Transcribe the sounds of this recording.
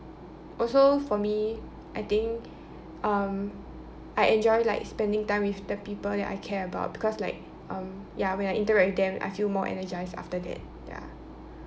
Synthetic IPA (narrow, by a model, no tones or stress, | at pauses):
ʔɔlsofɔmi | ʔajt̪ɪ̃ŋk | ʌ̃m | ʔaɪʔɛ̃nd͡ʒɔɪlaɪkspɛ̃ndɪ̃ŋtãɪ̃mwifdəpiːpəldɛ̰ta̰ɪkʰɛɹəba̰ʊt̚b̥ikʰɔslaɪk̚ | ʌ̃m | jawɛ̃najʔĩntəɹɛt̚wɪdɛ̃mʔa̰jfilmɔʔɛ̰nəd͡ʒaɪsa̰ftədɛ̰t̚ | ja̰